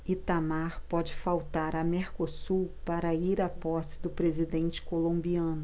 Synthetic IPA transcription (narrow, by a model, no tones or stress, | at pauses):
ɪt̪amaɾpɔd͡ʒɪfawt̪aɾɐmeɾkosupaɾɐiɾapɔsɪ̥d̪ʊpɾezid̪ẽnt͡ʃɪ̥kolõmbiɐ̃nʊ